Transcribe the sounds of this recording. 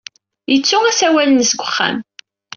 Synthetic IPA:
jət͡sːʊæsæwælənsɡʷəχːæ̰m

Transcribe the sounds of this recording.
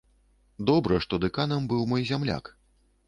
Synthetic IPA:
d̪ɔbɾɨʂt̪ɔd̪ɨkanɐmbɨwmɔjzʲamlʲa̰k

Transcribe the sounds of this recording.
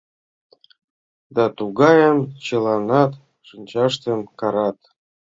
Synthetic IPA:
d̪ɑt̪uɡɑjəmt͡ɕə̆lˠɑnɑt̪ | ʃɨnʲt͡ɕɑʃt̪emkɑɾɑt̪

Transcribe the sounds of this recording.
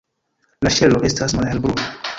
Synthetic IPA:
laʃelo̞ʔe̞stasmalhelbɾuna

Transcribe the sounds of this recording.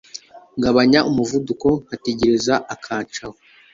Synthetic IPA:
ŋɡaβaɲaʔumuvuduko̞ŋhate̞ɟe̞ɾezaʔakʰaːt͡ʃaho

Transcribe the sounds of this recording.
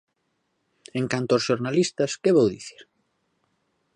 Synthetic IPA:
eŋkant̪ooːsʃoɾnalist̪ɐskeβowðiθi̥ɾ

